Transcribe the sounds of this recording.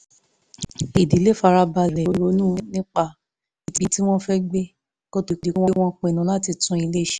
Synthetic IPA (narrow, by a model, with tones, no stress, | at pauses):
i˨di˨˦le˦˨fa˧ɾa˧ba˧lɛ˨˦ɾo˧˦nũː˦˨˦nĩ˦k͡pa˦˨ | i˨bi˨˦ti˦w̃ɔ̃˦fɛ˦ɡ͡be˦ | ko˦to˨di˨˦wɔ̃˦w̃ɔ̃˦k͡pẽ˨nũ˨˦la˦ti˧tũ˦i˧le˦˨ʃi̥˨